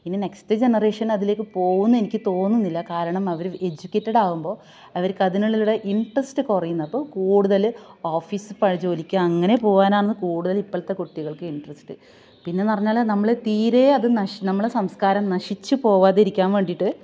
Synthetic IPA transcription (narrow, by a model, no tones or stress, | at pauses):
inːine̞kstɨd͡ʑe̞nɐre̞ːʂɐnɐðile̞ːkːɨpo̞ːɣunːɐe̞nikʲːɨt̪o̞ːnːunːilːɐkaːɾɐɳɐmɐʋɐɾe̞d͡ʑukʲːetːɐɽaːɣumbo̞ː | ɐʋɐɾkɐðinɐɭːiluɽeʔiɳɖrɐsʈɨkurɐjunːɐpːo̞ːkuːɽuðɐloːfiːsɨpɐɻɐd͡ʑo̞ːlikʲːɨɐŋːɐne̞po̞ːʋaːnaːɳɐnːɨkuːɽuðɐlipːɐɭt̪ːekuʈːiɣɐɭkɨiɳɖrɐsʈɨ | pinːenɐrɐɲːaːlnɐmːɐɭet̪iːɾeːɐðɨnɐnɐmːɐɭesɐmskaːɾɐmnɐʂit͡ɕːɨpo̞ːʋaːðeɾikʲːaːnʋe̞ːɳɖiʈːɨ